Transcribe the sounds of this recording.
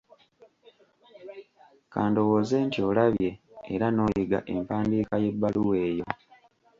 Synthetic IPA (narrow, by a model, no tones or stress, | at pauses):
kaːndo̞woːze̞ːntio̞laβje̞ːɾano̞ːjiɡa̰ʔe̞mpaːndiːkaje̞bːaluwe̞ːjo̞